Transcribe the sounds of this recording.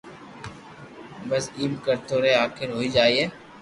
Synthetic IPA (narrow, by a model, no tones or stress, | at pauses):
bɐziːmkəɾt̪oːɾeaːxɪɾɦoːid͡ʒaːiɦɛː